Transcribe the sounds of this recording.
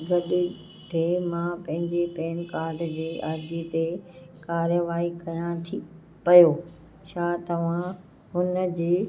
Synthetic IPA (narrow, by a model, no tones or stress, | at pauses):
ɡɐɗʊ̆ | ɖʰʱeːmãpɐ̃ɦɪ̃ɲd͡ʑepɛːnkaːɾɖd͡ʑeːʔɐɾd͡ʑit̪ekaːɾjəʋaːikɐjãt̪ʰi | pɐjoː | ʃaːt̪ɐʋ̤ã | ɦʊnd͡ʑeː